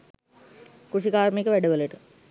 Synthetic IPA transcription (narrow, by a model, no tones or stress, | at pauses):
kuʂikaːɾmekəʋæɖəʋələʈə